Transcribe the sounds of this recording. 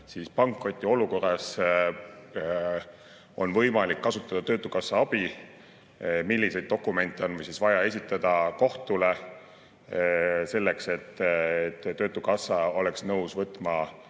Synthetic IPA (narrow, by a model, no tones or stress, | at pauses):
siːspɑŋkːro̞t̪ʲːˑio̞luko̞rːˑɑs | ʔo̞̰nvɤjmɑlikːɑsut̪ːˑɑd̪̥ɑt̪ø̞ːt̪ːˑukɑsːɑɑb̥i | milʲːisejd̪̚d̪o̞kːume̞nʲt̪ːˑeo̞nvɯjsisvɑjɑe̞sʲit̪ˑːɑd̪̥ɑko̞ht̪ule̞ | se̞lːe̞kse̞t̪ˑːet̪ːø̞ːt̪ːˑukɑsːɑo̞le̞ksnɤwsvɤt̪ːˑmɑ